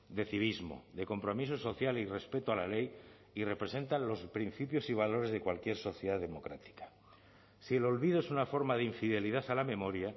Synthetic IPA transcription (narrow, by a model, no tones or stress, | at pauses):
d̪e̞θiβ̞izmo̞̰ðe̞ko̞mpɾo̞mis̬oso̞θjalire̞spe̞t̪oalale̞j | ire̞pɾe̞se̞nt̪anlo̞spɾin̟θipjo̞siβ̞alo̞ɾe̞zðe̞kwalkje̞ɾso̞θjeðaðemo̞kɾat̪i̥kḁ | sie̞lo̞lβiðoesunafo̞ɾmaðeiɱfiðe̞liðaθalamẽ̞mo̞ɾja